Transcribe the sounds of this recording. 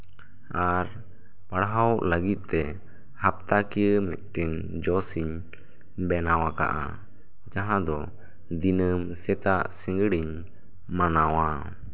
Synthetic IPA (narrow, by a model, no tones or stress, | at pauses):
aɾ | paɽɦawʔləɡit̪̚ˀt̪ɛ | hap̚t̪akijəmɛ̰t̪̚ˀʈiɲ | d͡ʒɔsiɲ | bɛnawaka̰ʔa̰ | d͡ʒaɦãd̪ɔ | d̪inəmsɛt̪aʔsiŋɡɽiɲ | manawa